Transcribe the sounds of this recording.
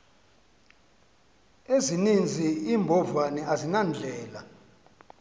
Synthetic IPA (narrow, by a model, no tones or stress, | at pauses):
ezinind͡zʱiiːmbʱɔvanɛʔazinand͡ɮʱɛːla